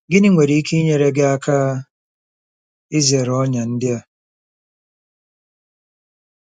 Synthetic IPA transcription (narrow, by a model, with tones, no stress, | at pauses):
ɡɪ˦ni˦ŋʷe˨ɾi˨˦i˦ke˦i˦ɲe˨ɾe˦ɡe˦a˦kʰa˦ | ɪ˦ze˨ɾɔ˦ɲa˨n̩˦dɪ˦a˨